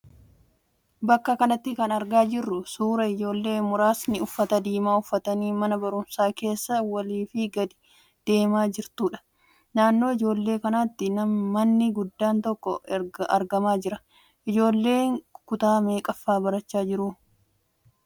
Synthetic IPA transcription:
bɐkːɐkɐnɐt̪ːɪkɐnɐɾɡaːd͡ʒɪrːʊsuːɾɐɪd͡ʒo̞ːlːe̞ːmʊɾaːsnɪʊfːɐt̪ɐd̪iːmaːʊfːɐt̪ɐniːmɐnɐbɐɾʊmsaːke̞ːsːɐwɐliːfɪɡɐd̪ɪ̥ | d̪̥e̞ːmaːd͡ʒɪɾt̪uːᶑɐ̥ | naːnːo̞ːɪd͡ʒo̞ːlːe̞ːkɐnaːt̪ːɪnɐmːɐnːɪɡʊd̪ːaːnt̪ɔkːɔɐ̰ɾɡɐmaːd͡ʒɪɾɐ | ʔɪd͡ʒo̞ːlːe̞ːŋkʊt̪aːme̞ːkʼɐfːaːbɐɾɐt͡ʃːaːd͡ʒɪɾuː

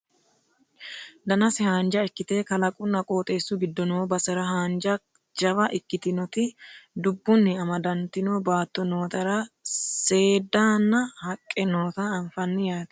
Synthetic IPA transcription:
d̪ɐnɐsɪhaːnd͡ʒɐɪkːɪt̪eːkɐlɐkʼʊnːɐkʼoːt̪ʼe̞ːsʊɡɪd̪ːɔnoːbɐsɛɾɐɦaːnd͡ʒɐ | d͡ʒɐwɐʔɪkːɪt̪ɪnɔt̪ɪd̪ʊbːʊnːɪɐmɐd̪ɐnt̪ɪnoːbaːt̪ːɔnoːt̪ɐɾɐse̞ːd̪aːnːɐhɐkʼːɛnoːt̪ɐɐɱfɐnːɪjaːt̪

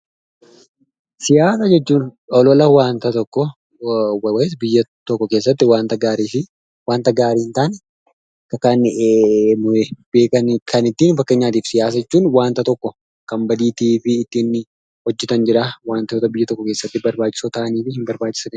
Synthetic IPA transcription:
sɪjaːsɐd͡ʒɛt͡ʃːuːnɔlɔlɐwaːnt̪ɐt̪ɔkːɔ | wwɛs̬bɪjːɐt̪ɔkːɔkeːs̬ːɐt̪ːɪwaːnt̪ɐɡaːɾiːfɪ | waːnt̪ɐɡaːɾiːhɪnt̪aːnɛ | kɐkɐn | mɔɛbeːkɐnkʰɐnɪt̪ːiːnfɐkːeːɲːaːt̪̬iːfsɪjaːs̬ɐd͡ʒɛt͡ʃːuːnwaːnt̪ɐt̪ɔkːɔ | kɐmbɐd̪iːt̪iːfɪːt̪ːiːnːɪ | hɔd͡ʒːɛt̪ɐnd͡ʒɪɾɐwaːnt̪ɐot̪ɐbɪjːɐt̪ɔkːɔkeːsːɐt̪ːɪbɐɾbaːt͡ʃːɪ̥sot̪ɐʔɐniːfɪhɪmbɐɾbaːt͡ʃːɪ̥sɐn

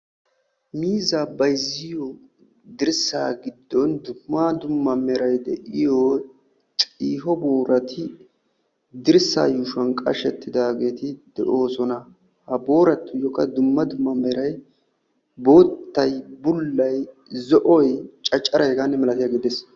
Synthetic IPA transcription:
miːzabɐjzɪjɔ | d̪ɪɾsaːɡɪd̪ːɔnd̪ʊmːɐd̪ʊmːɐmɛɾɐjd̪ɛ̰ʔɪjo | t͡ʃʼiːɦɔbo̞ːɾʔɐt̪ʰɪ | d̪ɪɾsa̰ːjuːʃʊɐnkʼɐ̰ʃɛt̪ːɪd̪aːɡeːt̪ɪd̪̥ɛ̰ʔo̞ːsɔnɐ | hɐbo̞ːɾɐt̪ːʊjɔkːɐd̪ʊmːɐd̪ʊmːɐmɛɾɐj | bo̞ːt̪ːɐjbʊlːɐj | zɔʔɔjt͡ʃʼɐt͡ʃʼːɐɾɐɛɡanːɛmɛlɐt̪ɪjaɡɪd̪ɛs

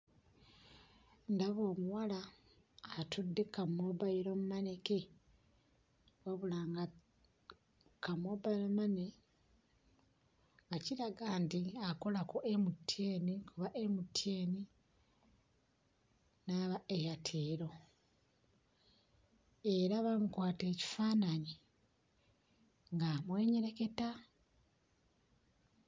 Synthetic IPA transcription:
ndaβoːmuwalaː | tudːekamːobaiɾomumane̞ke | waβulaːŋɡa | kamobaiɾomane̞ | βaciɾaɡaːndiakolako̞ʔemutʰːjeːnikuβaʔemutʰeːni | naːβaejatʰeːɾo̞ | eɾaβamukwaːte̞ːci̥faːnaɲi | ŋɡamwe̞ːɲeɾe̞ke̞ta

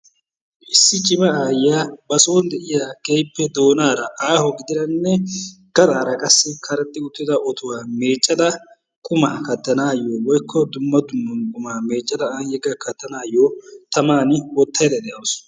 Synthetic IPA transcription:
ʔɪsːɪt͡ʃʼɪbɐaːjaːbɐsoːnd̪ɛʔɪjaːkejpːɛd̪o̞ːnaːɾɐʔaːhɔɡɪd̪ɪɾɐnːɛɡ̥ɐd̪ʼaːɾɐkʼɐsːɪkʰɐɾɐt̪ʼːɪʊt̪ːɪd̪ɐʔɔt̪ʊwaːme̞ːt͡ʃʼːɐd̪ɐ | kʼʊmaːkɐt̪ːɐnaːjːowɔjkʰːɔd̪ʊmːɐd̪ʊmːɐkʼʊmaːme̞ːt͡ʃʼːɐd̪ɐaːjɛɡɐkɐt̪ːɐnaːjːoːt̪ɐmaːnɪwɔt̪ʰːɐjd̪ɐd̪ɛjɐws

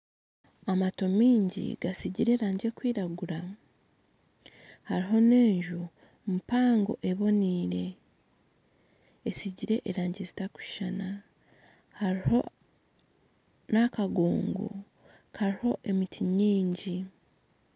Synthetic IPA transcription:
amato̞miːɲɟḭɡasiɟiɾe̞ːɾaːɲɟe̞kwiːɾaɡuɾa | haɾiɦo̞ne̞ːɲʒu | mupaːŋɡo̞̰ʔe̞βo̞niːɾe̞ | siɟiɾe̞ʔeɾaːɲɟezi̥taku̥ʃana | haɾiho̞ | nakaɡo̰ːŋɡo̰ | kʰaɾiho̞ʔe̞mitʰiɲiːɲɟi

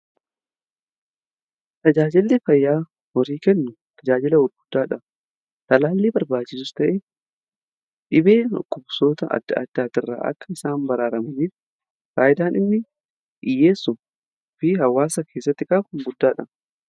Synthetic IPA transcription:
t̪ɐd͡ʒaːd͡ʒɪlːefɐjːaː | wɔɾiːkɛnːʊ | t̪ʰɐd͡ʒaːd͡ʒɪlɐwʊɾɡʊd̪ːaːᶑɐ | t̪ɐlaːlːeːbɐɾbaːt͡ʃːɪsʊst̪ɐʔe | ᶑɪbḛːkʼːʊbsoːt̪ɐɐ̰d̪̥ːɐ̰ɐ̰d̪ːaːt̪ɪrːa̰ːʔɐ̰kːɐɪsaːmbɐɾaːɾɐmɐniːf | kaːʔɪd̪aːnɪnːɪ | ʔɪjeːsːʊ | fɪhɐwaːsɐkʰe̞ːsːɐt̪ːɪkʼaːkʊŋɡʊd̪ːaːᶑɐ

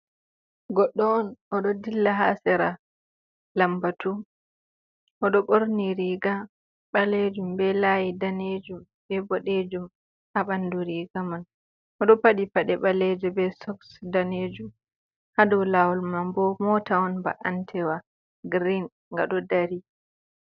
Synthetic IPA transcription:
ɡɔɗːɔɔnʔɔɗɔdilːaɦa̰sɛɾa | lambatu | ʔɔɗɔɓoɾniɾiɡa | ɓaled͡ʒumbɛlajidaned͡ʒum | bɛbɔɗed͡ʒum | ʔaɓanduɾiɡaman | ʔɔɗɔpaɗipaɗɛɓalɛd͡ʒɔbɛsɔksdaned͡ʒum | hadɔwlawɔlmambɔmɔtaɔnba̰ʔantʰɛwa | ɡɾin | ŋɡa̰ɗɔdaɾi

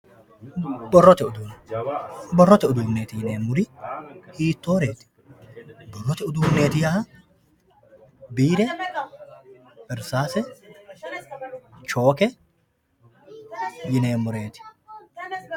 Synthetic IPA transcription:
bɔrːɔt̪ɛʊd̪uːn | bɔrːɔt̪ɛʊd̪uːnːeːt̪ɪjɪneːmːʊɾɪhiːt̪ːoːɾe̞ːt̪ɪ̥ | bɔrːɔt̪ɛʊd̪uːmnːeːt̪ɪjɐhɐ | biːɾɛ | bɛɾsaːsɛ | t͡ʃoːkɛ | jɪneːmːʊɾe̞ːt̪ɪ̥

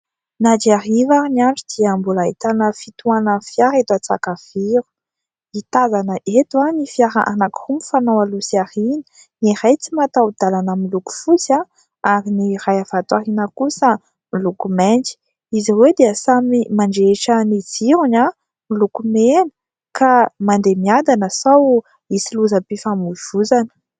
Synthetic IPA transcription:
nad͡ʒiaɾivaɾinaɳɖ͡ʐud̪̥iəmbulait̪anəfit̪uanəfjaɾet̪uat͡sa̰kav̥iɾu̥ | it̪azanəʔet̪uanifiaɾa̰ʔanakirumifanawalusiaɾinə̥ | niɾajt͡simat̪awd̪alanəmiluku̥fut͡sa | aɾinirajavat̪waɦinəkusə | milukumend͡ʒi̥ | iziwed̪eəsamimaɳɖ͡ʐeʈ͡ʂəniziɾuɲa | milukumenə̥ | kamand̪emiand̪anəsaw | isiluzapifamuv̥uzanə̥

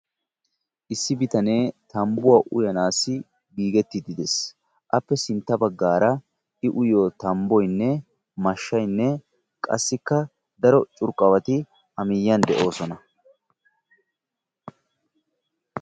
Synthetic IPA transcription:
ʔɪsːɪbɪt̪ɐne̞ːt̪ɐmbʊwaːʔʊjɐnaːsɪ | biːɡɛt̪ːɪd̪ɪd̪ɛs | ʔɐpːɛsɪnt̪ːɐbɐɡːaːɾɐ | ɪʔʊjoːt̪ɐmbɔjnːɛ | mɐʃːɐjnːɛ | kʼɐ̰sːɪkːɐ | d̪ɐɾɔt͡ʃʼʊɾkʼːɐwɐt̪ɪ | ɐmɪjːɐnd̪ɛʔo̞ːsɔnɐ

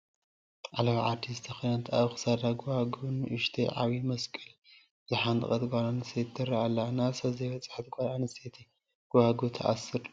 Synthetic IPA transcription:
t̪ʼʕalɐβʕad̪izɨt̪ʰɐxinat̪ʰaβxɨ̥sad̪aɡuwaɡunɨʔɨʃt̪ʰejʕaβimɐskʼɨl | zɨħant̪ɨ̰kʼɐt̪ɡʷalanɨset̪ːɐɾialːanasɐzɐjbɐt͡sʼħat̪̚ɡʷalanɨset̪ʰi | ɡ̥uhaɡut̪ʰɐ̰ʔa̰sɨɾ

